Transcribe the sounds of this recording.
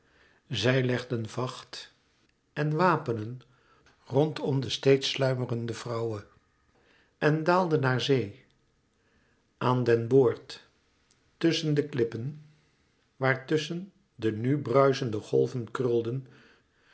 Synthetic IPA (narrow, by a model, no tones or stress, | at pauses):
zɛjlɛχdənvɑχt | ɛnʋaːpənən | rɔntɔmdəstejtslœɥmərəndəv̥rɑwə | ɛndaːlˠdənɦaːɹzej | ʔaːndɛnboːɹtː | ɵsəndəklɪpən | ʋaːɹtɵsən | dənybrœɥzəndəχɔ̰lˠvənkrʏlˠdən